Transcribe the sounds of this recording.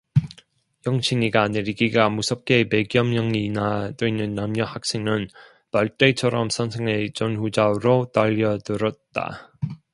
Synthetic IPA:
jʌŋt͡ɕʰiŋiɡane̞ɾiɡiɡamusʰʌp̚k͈e̞pe̞ɡjʌmjʌŋinadoinːɯnːamɲʌhak̚s͈eŋɯn | paɭt͈et͡ɕʰʌɾʌmsʰʌnsʰeŋe̞t͡ɕʌnɸud͡ʑaɾotaʎːʌdɯɾʌt̚t͈a̰

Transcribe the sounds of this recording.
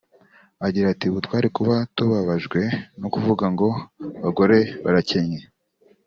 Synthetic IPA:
aɟiɾatiβutwaːɾikuβatuβaβaʒɡwe̞nokuvuɡaŋɡo̞βaɡo̞ɾe̞βaɾaceɲe

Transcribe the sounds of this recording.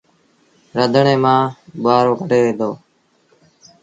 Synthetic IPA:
ɾəd̪ʱɳeːmãːɓʊaːɾoːkəɽeːʋẽːd̪oː

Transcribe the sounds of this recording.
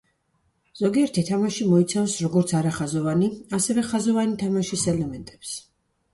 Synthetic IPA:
z̥ɔɡiɛɾt̪ʰit̪ʰamaʃimɔit̪sʰavsɾɔɡɔɾt̪sʰaɾaχazɔvaniasɛvɛχazɔvanit̪ʰamaʃisɛlɛmɛnt̪ʼɛps

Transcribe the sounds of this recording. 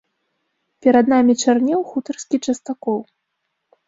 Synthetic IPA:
pʲɛɾad̪namʲit͡ʂarnʲɛwxut̪ɐrskʲit͡ʂɐst̪akɔw

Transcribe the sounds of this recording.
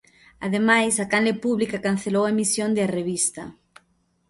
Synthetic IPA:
a̰ðemajsakanlepuβlikakan̟θelowaemisjond̪ɪareβ̞ist̪ɐ̰

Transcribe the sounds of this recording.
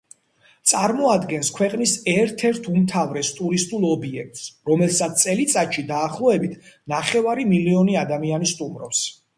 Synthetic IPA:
t̪sʼaɾmɔad̪ɡɛnskʰwɛqʼnisɛɾt̪ʰɛɾt̪ʰumt̪ʰavɾɛst̪ʼuɾist̪ʼulˠɔbiɛkt̪sɾɔmɛlˠsat̪t̪sʼɛlit̪sʼat̪ʃid̪aːχlˠɔɛbit̪ʰnaχɛvaɾimiliɔniad̪amianist̪ʼumɾɔps

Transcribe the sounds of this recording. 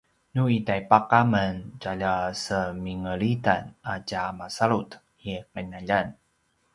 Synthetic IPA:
nuitajpaqamənɟaʎasəmiŋəɭita̰nacamasaɭut | iqənaʎan

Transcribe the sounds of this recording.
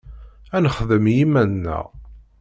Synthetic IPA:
ænəχðəmjimænːæ̰ʁ

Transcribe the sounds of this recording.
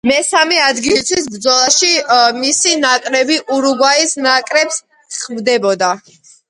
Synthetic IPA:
mɛsamɛad̪ɡilit̪sʰwisbɾd̪zɔlˠaʃimisinakʼɾɛbiʔuɾuɡwaisnakʼɾɛps | χmd̪ɛbɔd̪a

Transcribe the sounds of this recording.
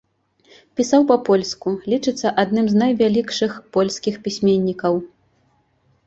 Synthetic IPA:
pʲisawpɐpɔlʲskulʲit͡ʂɨt̪sːɐʔad̪nɨmznɐjvʲalʲikʂɨxpɔlʲsʲkʲixpʲisʲmʲenʲːikɐw

